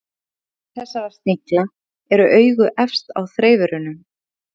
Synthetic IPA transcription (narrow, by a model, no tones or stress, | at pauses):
θɛsːavaɾst̪nikla | ɛɾʏʔœːɥɣʏʔɛfst̪a̰wθɾeːjvʏɾʏnʏm